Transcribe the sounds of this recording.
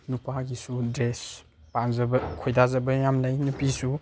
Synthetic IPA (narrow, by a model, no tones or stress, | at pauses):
nupaɡisudɾes | panzɐbɐkʰojdazɐbɐjamlajnupisu